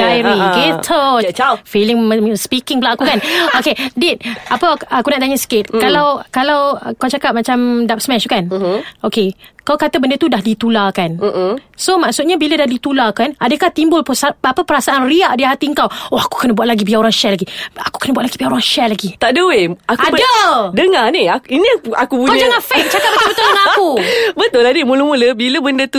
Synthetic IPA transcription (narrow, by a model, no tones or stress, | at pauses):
ɡajɾiɡet̪ʰəfilɪŋəspikɪŋbəlaʔakukanokedit̪̚apəakunaʔt̪aɲəsə̥kɪt̪̚kalawkalawkawt͡ʃakap̚mat͡ʃamdap̚smɛʃkanokekawkat̪əbəndət̪udahdit̪ulakansomaʔsut̪̚ɲabilədahdit̪ulakanadəkaht̪imbʊlpəsaapəpəɾasaʔanriaʔdiɦat̪iəŋkawoaku̥kənəbuaʔ̚laɡibiaoɾaŋʃɛlaɡiaku̥kənəbuaʔlaɡibiaoɾaŋʃɛlaɡit̪aʔdəweakuabdədəŋaniainiakubukod͡ʒaŋafɛk̚t͡ʃakkat̪̚bət̪obəulŋakubət̪ʊladimuləmuləbiləbəndət̪u